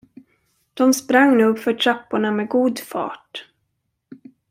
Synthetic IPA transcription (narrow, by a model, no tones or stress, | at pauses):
d̪̥ɔmspɾaŋːnʉːɡfœʈʰɾapːʊɳamɛɡuːd̪fɑ̰ːʈ